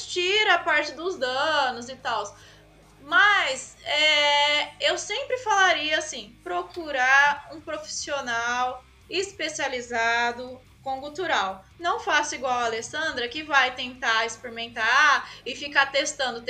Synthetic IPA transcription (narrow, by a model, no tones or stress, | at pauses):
t͡ʃiɾɐapaɾt͡ʃɪd̪ʊzd̪ɐ̃nʊzɪt̪aws | mɐsɛ | ewsẽmpɾɪfalaɾiɐasĩpɾokuɾaɾũpɾofi̥sionaw | ɪspesializad̪ʊ | kõkut̪uɾawnɐ̃w̃fasʊiɡwawɐalesɐ̃nd̪ɾɐkɪvajt̪ẽnt̪aɪspeɾimẽnt̪aɪfikat̪est̪ɐ̃nd̪ʊt̪